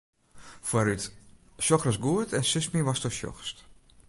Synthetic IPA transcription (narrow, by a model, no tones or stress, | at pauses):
fwaɾyt | ʃɔxrɔsɡuətʰɛnsɪsmiʋastɔʃɔ̰xst